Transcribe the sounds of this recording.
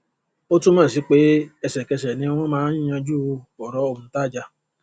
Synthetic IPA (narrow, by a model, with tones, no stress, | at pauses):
o˦tũ˦mã˦˨s̬i˨˦k͡pe˦ɛ˧sɛ˨kɛ˧s̬ɛ˨nĩ˧˦w̃ɔ̃˦mãː˦ĩ˦ã˧d͡ʒu˦˧fɔ˨ɾɔ˨˦o˦˧˨ũ˧˦ta˦˨d͡ʒa˧˨